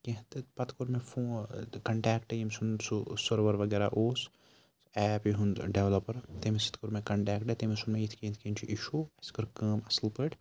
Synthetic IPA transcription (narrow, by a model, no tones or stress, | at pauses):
kẽɦt̪ɨpɐt̪kuɾmẽfʰõːkɐɳʈɛːkʈejimsunsusɐɾʋɐɾʋɐɡeːɾa̰ʔoːs | ɛːpjiɦunɖeʋlɐpɐɾt̪emesi̥t̪kuɾmekɐɳʈɛːkʈet̪emesunmẽit̪ʰkẽːnt̪ʰkẽːnt͡ʃʰiʔiʃuɐskɨɾkɐːmɐslpɨʈ